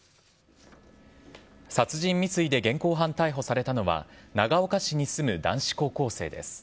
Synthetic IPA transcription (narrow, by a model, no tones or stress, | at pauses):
sat͡sɨʑĩmːʲit͡sɨid̪e̞ɡẽ̞ŋko̞ːɦãnt̪aiɦo̞saɾe̞t̪ano̞βa̰naɡao̞kaɕiɲ̟isɨmɯ̟d̪ã̰ɰ̃ɕi̥ko̞ːko̞ːse̞̰ːd̪e̞̰sɨ̥